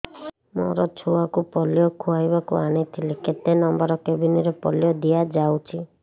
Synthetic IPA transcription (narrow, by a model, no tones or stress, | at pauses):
mɔ̰ɾɔt͡ʃʰuakupɔlijɔkʰuajbakṵañit̪ʰileket̪enɔmbɔɾɔkebiniɾepɔljɔd̪ijad͡ʒawt͡ʃʰi